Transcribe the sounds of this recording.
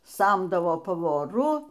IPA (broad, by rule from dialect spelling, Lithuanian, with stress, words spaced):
ˈsɐmdɐʋoː pɐʋoːˈrʊ